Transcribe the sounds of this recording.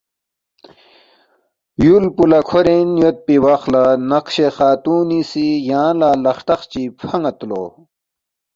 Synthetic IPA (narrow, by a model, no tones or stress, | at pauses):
julpulɐkʰoɾẽnjot̪̚piwaxlanɐqɕexaːt̪uːnisijãːlaːlɐxʈɐxt͡ɕipʰɐŋɐt̪lo̰